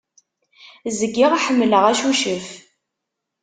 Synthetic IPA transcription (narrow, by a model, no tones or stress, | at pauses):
zəɡːiʁaħəmːləʁæʃuʃəf